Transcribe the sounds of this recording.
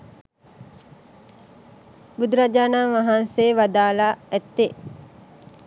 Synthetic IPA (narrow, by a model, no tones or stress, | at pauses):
bud̪uɾad͡ʒaːnaːʋaɦanseːʋad̪aːlaɛt̪ːe